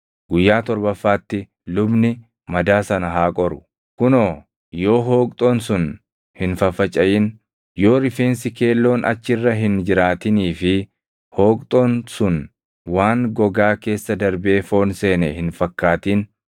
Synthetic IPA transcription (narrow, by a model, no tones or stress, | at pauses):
ɡʊjːaːt̪ɔɾbɐfːaːt̪ːɪ | lʊbnɪ | mɐd̪aːsɐnɐɦaːkʼɔɾʊ̥ | kʊnoː | jo̞ːɦoːkʼt̪ʼo̞ːnsʊn | hɪnfɐfɐt͡ʃʼɐjɪn | jo̞ːɾɪfe̞ːnsɪke̞ːlːo̞ːnɐ̰t͡ʃːɪrːɐɦɪnd͡ʒɪɾaːt̪ɪniːfɪ | hoːkʼt̪ʼo̞ːnsʊn | waːŋɡɔɡaːke̞ːsːɐd̪ɐɾbeːfo̞ːnse̞ːnɛhɪnfɐkːaːt̪iːn